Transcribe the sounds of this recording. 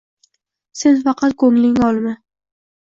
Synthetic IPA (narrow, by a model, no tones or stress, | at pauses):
se̞nfɑqʰɑt̪̚kʰoŋlɪŋɒlˠmɪ